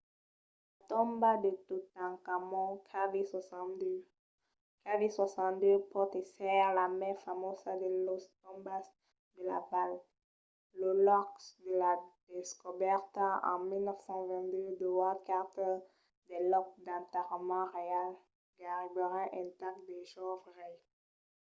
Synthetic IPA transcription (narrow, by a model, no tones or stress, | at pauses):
l | at̪ɔ̃mbad̪et̪ut̪ãkamɔ̃kʰavisd̪ | kaviswasɑ̃nd̪øpɔt̪esɛʁlamɛfamosad̪elost̪ɔ̃mbas | d̪əla̰valː | olɔksd̪əlad̪̥eskɔbɛʁt̪aɑ̰̃milnɔfsɑ̃vɛ̃nd̪ød̪ɔwakaʁt̪ | d̪ɛlɔk̚d̪ãt̪ɛʁmɑ̃ʁeal | ɡaʁibɔʁɛʔɛ̃t̪ak̚d̪eʒɔvʁi